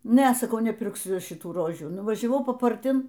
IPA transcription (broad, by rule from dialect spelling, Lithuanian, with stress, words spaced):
ˈnʲɛ sɐˈkɐʊ nʲɛpʲɪrkˈsʲʊ ʃʲɪˈtuː ˈroːʒʲuː nʊʋɐʒʲɛˈʋɐʊ pɐpɐrʲˈtʲɪn